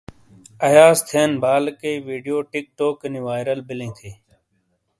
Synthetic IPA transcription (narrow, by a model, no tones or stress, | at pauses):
ɐjaːst̪ʰeːnbʱaːlkeiʋiːɖijoːʈɪk̚ʈoːkɪniʋaːjɾəlbɪlẽːt̪ʰiː